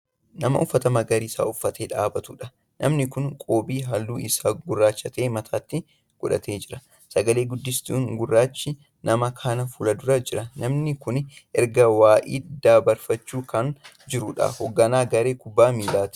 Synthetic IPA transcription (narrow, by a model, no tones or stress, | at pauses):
nɐmɐ̰ʔʊfːɐt̪ɐmɐɡɐɾiːsa̰ːʊfːɐt̪ʰeːᶑaːbɐt̪ʊᶑɐ | nʔɐ̰mnɪkʊnkʼoːbiːɦɐlːuːʔɪsaːɡʊrːaːt͡ʃːɐt̪e̞ːmɐt̪ʰaːt̪ːɪ | ɡ̥ʊᶑɐ̰t̪ʰe̞ːd͡ʒɪɾɐ | sɐɡɐle̞ːɡʊd̪ːɪst̪uːŋɡʊrːaːt͡ʃːɪ | nɐmɐkʰaːnɐfulɐd̪ʊɾɐd͡ʒɪɾɐnɐmnɪkʊnʔɛɾɡɐwaːʔḭːd̪̥aːbɐɾfɐt͡ʃːuːkɐn | d͡ʒɪɾʊᶑɐ̰hɔɡːɐnaːɡɐɾe̞ːkʊbːaːmiːlaːt̪ɪ̥